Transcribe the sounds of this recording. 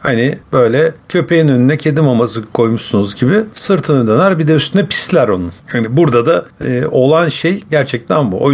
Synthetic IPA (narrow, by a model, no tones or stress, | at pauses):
hanib̥ø̞jlʲɛcʰø̞pʰe̞jinø̞nynɛcʰed̪imamazɯkʰo̞jmuʃsunuzɟibɪsɯɾt̪ʰɯnɯd̪ø̞næɾbid̪eyst̪ʰynɛpʰi̥slʲæɾo̞nunhanibuɾd̪ad̪ao̞lˠanʃejɟæɾt͡ʃʰɛc̚t̪ʰænbuʔo̰